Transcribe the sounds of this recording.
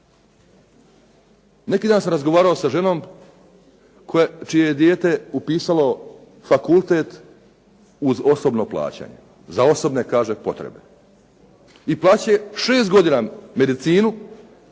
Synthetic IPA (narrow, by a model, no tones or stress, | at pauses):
ne̞kiːd̪aːnsamɾazɡoʋaːɾao̞saʒe̞no̞ːm | kʰot͡ʃijejed̪jeːt̪e̞upiːsalo̞ | fakulˠt̪e̞ːt̪ | uzo̞so̞bno̞plˠa̰ːt͡ɕa̰ɲe̞̰ | zao̞so̞bne̞kaːʒe̞po̞̰t̪ɾḛbe̞̰ | iplˠaːt͡ɕe̞ʃeːst̪ɡo̞d̪iname̞d̪it̪siːnu